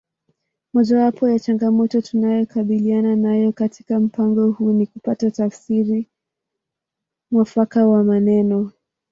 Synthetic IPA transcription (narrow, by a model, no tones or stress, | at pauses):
mɔʄawapɔjat͡ʃaŋɡamɔtɔtunajɔkaɓiliananajɔkatʰi̥kam̩paŋɡɔhunikupatatafsiɾi | mwafakawamanɛnɔ